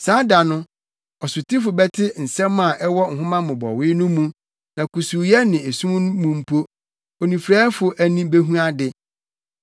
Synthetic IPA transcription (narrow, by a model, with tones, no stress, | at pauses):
saː˨˦da˨nʊ̃˦ | ɔ˨sʊ˨tʰɪ˦fʊ˨bɛ˦tʰɪ˦n̩˨sɛ̃˦mːã˨ʔɛ˦wɔ˦ŋ̩˨ɦʊ̃˦mã˦mʊ̃˨bɔ̰˨wɪ˦nʊ̃˦mũ˦ | nã˨ku˨su˨jɛ˦nɪ̃˨e˨sũ˦m˦ñ˦mũ˨m̩˦pʰo˦ | o˨nĩ˨fɾɛː˦fʊ˨ʔæ˨nĩ˦be˦ɦũ˦a˦dɪ˨